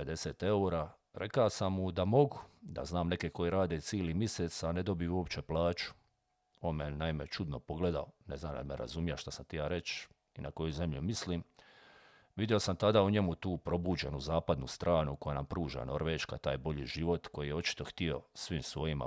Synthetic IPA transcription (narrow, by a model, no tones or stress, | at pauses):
ed̪e̞seːt̪e̞uɾaː | ɾʔe̞kaosamːud̪amo̞ɡud̪a̰znaːmne̞keko̞jiɾaːd̪et̪siːlimiset̪sane̞d̪o̞bijuopt͡ʃe̞plaːt͡ʃu̥ | oːnmenaime̞t͡ʃud̪no̞po̞ɡle̞d̪aoneznamd̪a̰d̪mḛɾa̰zumijaʃt̪asamt̪ijaːɾe̞t͡ʃ | inʔako̞juze̞mʎumisliːm | ʋid̪jeo̞samt̪ad̪auɲe̞mut̪uːpɾo̞buːd͡ʑe̞nuzaːpad̪nṵst̪ɾʔaːnukojanampɾuːʒa̰no̞ɾʋeːʃka̰t̪a̰ːjbo̞ʎiːʒiʋo̞t̪ko̞jijeo̞t͡ʃi̥t̪o̞xt̪io̞̰sʋiːmsʋo̞jima̰